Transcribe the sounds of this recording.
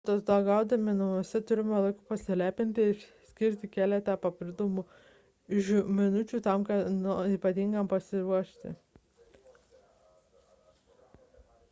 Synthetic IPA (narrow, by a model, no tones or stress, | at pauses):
t̪ot̪d̪ɐɡɑˑʊd̪ɐmʲɪnɐmusʲɛt̪ʊɾʲɪmʲɛlˠɐɪkʊpɐsʲɪlʲæːpʲɪnʲt̪ʲɪɪɾsʲkʲɪɾʲt̪ʲɪkʲæːlʲɛt̪ʲɛpɐpʲɪlʲd̪omu | ʒʲumʲɪnʊt͡ʃʲuːt̪ɐmkɐniːpɐt̪ʲiːŋɡɐmpɐsʲɪɾuɔʃʲt̪ʲɪ̰